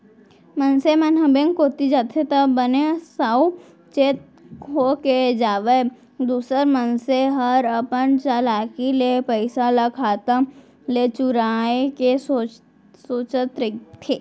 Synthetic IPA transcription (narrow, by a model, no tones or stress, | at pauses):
mənsemɐnɦəbẽŋkoːt̪id͡ʒat̪ʰet̪əbənesaːu | t͡ʃeːt̪̚ | kʰoːked͡ʒaːʋe | d̪uːsəɾmənseɦɐɾəpənt͡ʃalaːkilepəɪsalɐkʰaːt̪a | let͡ʃʊɾaːekeso | soːt͡ʃət̪ɾɪk̚t̪ʰeː